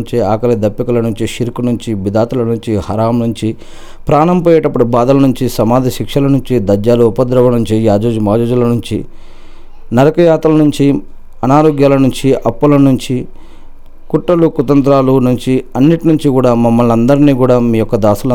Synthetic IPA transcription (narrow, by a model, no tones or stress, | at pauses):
ɲt͡ʃiaːkɐlɐd̪ɐpːikɐlɐnuɲt͡ʃiʃiɾkunuɲt͡ʃibid̪aːt̪ulɐnuɲt͡ʃihɐɾaːmnuɲt͡ʃi | pɾaːnɐmpɔːjɛːʈɐpːuɽubaːd̪ɐlɐnuɲt͡ʃisɐmaːd̪ʱɐʃikʂɐlɐnuɲt͡ʃid̪ɐd͡ʒjaːluːpɐd̪ɾɐʋɐnuɲt͡ʃiaːd͡ʒoːd͡ʒumaːd͡ʒoːd͡ʒulɐnuɲt͡ʃḭ | nɐɾɐkɐjaːt̪ɐlɐnuɲt͡ʃi | ɐnaːɾɔːɡjaːlɐnuɲt͡ʃiʔɐpːulɐnuɲt͡ʃi | kuʈːɐlukut̪ɐnt̪ɾaːlunuɲt͡ʃiɐnːiʈinuɲt͡ʃikuːɽaːmɐmːɐlɐnd̪ɐɾiniːkuːɽaːmiːjɔkːɐd̪aːsulɐ